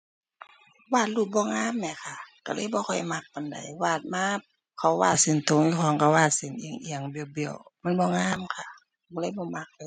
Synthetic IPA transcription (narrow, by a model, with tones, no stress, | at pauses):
waː˧˩t̪̚luː˧˩bɔː˧˨ŋaː˧˥˨mːɛː˧˩˨kʰa˧˩ka˧˩lɤː˧˦˨jbɔː˧˦kʰɔ˨˩jma˧˩k̚pa˨nda̰˨jwaː˧˩t̪̚maː˧˥p̚ | kʰa˧˩wwaː˧˩t̪̚se˧˦nt̪o˧˨ŋju˧˩kʰɔː˧˦˨ŋka˧waː˧˩t̪̚se˧˨nʔḭ˧ə˨ŋʔi˧˨əŋbi˧ə˨wbi˧˩ə˨wma˧˥˨nbɔː˧˨ŋaː˧˥˨mkʰa˧˩ | bɔ˧lɤː˧˦jbɔː˧ma˧˩k̚a˧